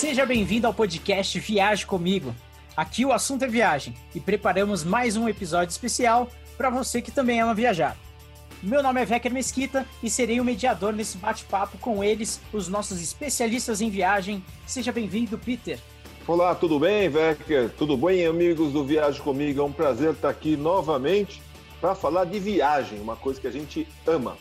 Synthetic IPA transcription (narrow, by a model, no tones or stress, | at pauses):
seʒɐbẽj̃vĩnd̪ʊawpod͡ʒikɛst͡ʃɪviaʒɪkõmiɡʊ | akiʊasũt̪ʊɛviaʒẽj̃ | ɪpɾepaɾɐ̃mʊzmajzũepizɔd͡ʒʊispesiaw | pɾɐvosekɪ̥t̪ɐ̃mbẽj̃ɛnɐ̃viaʒa̰ɾ | mewnõmɪɛvɛkeɾmeskit̪ɐɪseɾejʊ̃med͡ʒiad̪oɾnesɪbat͡ʃɪ̥papʊkõw̃elɪsʊznɔsʊzɪspesialist̪ɐzẽj̃viaʒẽj̃ | ɪ̥seʒɐbẽj̃vĩnd̪ʊpit̪eɾ | olat̪ud̪ʊbẽj̃vɛkeɾt̪ud̪ʊbẽj̃amiɡʊzd̪ʊviaʒɪkõmiɡʊɛũpɾazeɾt̪aakinɔvɐmẽnt͡ʃɪ̥ | pɾɐfalaɾd̪ɪviaʒẽj̃ũmɐkojzɐkɪaʒẽnt͡ʃɪ | ɐ̃mɐ̰